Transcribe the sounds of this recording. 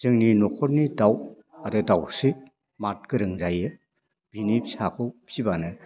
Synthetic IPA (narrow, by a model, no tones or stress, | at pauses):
z̥ɯŋninɔkʰɔɾnidaw | aɾɯdawsi | mat̚kɯɾɯŋzajɯ | b̥inipsakʰɔpʰibanɯ